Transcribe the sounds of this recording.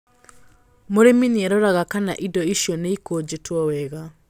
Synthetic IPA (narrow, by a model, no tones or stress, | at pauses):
moɾeminiɛɾoɾaɣakana̰ʔidɔiʃjɔneikoːd͡ʑetwɔwɛɣa